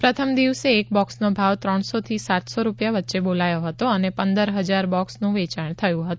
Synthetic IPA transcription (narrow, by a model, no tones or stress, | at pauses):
pɾət̪ʰəmd̪iʋseːk̚bɔksnobʱaʋt̪ɾəɳ̃sot̪ʰisat̪soɾupjaʋətːʃebolajoɦət̪oənepənd̪əɾɦəd͡ʒaɾbɔksnũʋet͡ʃaɳ̃t̪ʰəjũɦət̪ũ